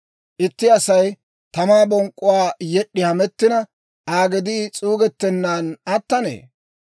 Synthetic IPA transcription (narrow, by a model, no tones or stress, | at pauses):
ʔɪt̪ːɪɐsɐj | t̪ɐmaːbɔŋkʼːʊwaːjɛɗːɪhɐmɛt̪ːɪnɐ | ʔaːɡɛd̪iːt͡sʼuːɡɛt̪ːɛnːaːnɐt̪ːɐnḛː